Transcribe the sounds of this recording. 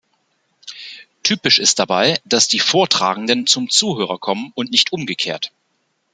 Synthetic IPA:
tʰyːpɪʃɪst̚d̥abaɪd̥asd̥iːfoːɐtʁ̥a̰ːɡŋ̩dənt͡sʊmt͡suːɦøːʁɐkʰɔmənʊntnɪçtʔʊmɡəkʰḛːɐt

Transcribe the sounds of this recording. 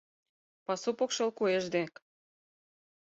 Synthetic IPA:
pɑsupokʃɤ̆lkueʒd̪ek

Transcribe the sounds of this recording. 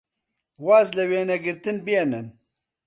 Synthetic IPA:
waːzlɛweːnɛɡɨɾt̪ɨnbijenɛn

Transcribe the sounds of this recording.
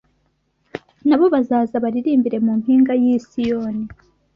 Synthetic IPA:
naβo̞βazaːzaβaɾiɾiːmbiɾe̞mumpiːŋɡajiːsijoːni

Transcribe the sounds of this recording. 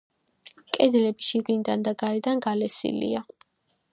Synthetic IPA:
kʼɛd̪lɛbiʃiɡind̪and̪aɡaɾɛd̪anɡalɛsḭlḭa

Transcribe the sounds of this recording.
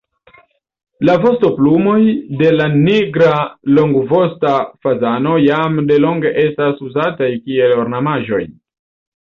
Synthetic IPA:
lavo̞sto̞plumo̞jde̞laniɡɾalo̞ŋɡvo̞stafazano̞jamde̞lo̞ŋɡe̞ʔe̞stasuzatajkie̞lo̞ɾnamaʒo̞j

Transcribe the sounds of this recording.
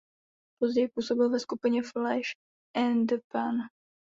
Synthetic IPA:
po̞zɟɛjpuːso̞bɪlvɛskupɪɲɛflɛʃ | ʔɛnd̪əpan

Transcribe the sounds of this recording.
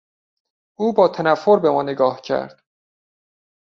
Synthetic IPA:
ʔuːbɒːt̪ʰænæfːoɾbe̞mɒːneɡɒːhcʰæ̰ɾd̪̥

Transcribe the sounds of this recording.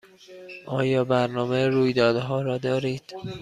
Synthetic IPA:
ʔɒːjɒːbæɾnɒːmeɾuːjd̪ɒːd̪ɦɒːɾɒːd̪ɒːɾiːd̪̥

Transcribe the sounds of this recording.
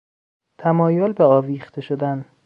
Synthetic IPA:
t̪ʰæmɒːjolbeɒːviːxt̪ʰe̞ʃod̪æn

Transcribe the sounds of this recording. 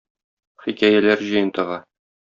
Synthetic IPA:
χikæjælæɾʑɤ̆jɤ̆nt̪ɤ̆ʁɑ

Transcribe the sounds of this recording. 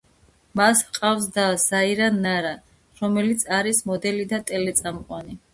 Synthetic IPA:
masqʼafsd̪az̥aiɾanːaɾa | ɾɔmɛlit̪sʰaɾismɔd̪ɛlid̪at̪ʼɛlɛt̪sʼamqʼwani

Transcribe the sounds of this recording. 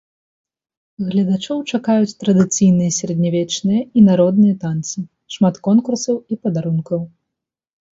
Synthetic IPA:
ɣlʲɐd̪at͡ʂɔwt͡ʂakajut͡sʲt̪ɾɐd̪ɨt̪sijnɨjɐsʲɾɐd̪ʲnʲavʲɛt͡ʂnɨjɐinaɾɔd̪nɨjɐt̪ant̪sɨ | ʂmat̪kɔnkursɐwipɐd̪aɾunkɐw

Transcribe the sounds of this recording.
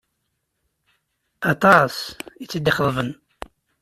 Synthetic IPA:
ɑt̪ˤɑsit͡sːəd̪ːəχəðˤvən

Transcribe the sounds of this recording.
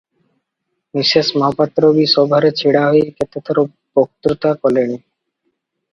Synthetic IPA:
miʃeʃmɔɦɔpat̪ːɾobiʃɔbʱaɾet͡ɕʰiɽaɦoeket̪ʰet̪ʰɔɾo | bok̚t̪ɾut̪akɔleni

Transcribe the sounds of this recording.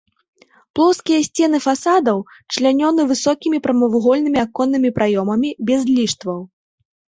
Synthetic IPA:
plˠɔwskʲijɐsʲt͡sʲɛnɨfasad̪ɐwt͡ʂlʲanʲɔnɨvɨsɔkʲimʲipɾɐmɐvuɣɔlʲnɨmʲiakɔnːɨmʲipɾʔajɔmɐmʲibʲɛzlʲiʂt̪vɐw

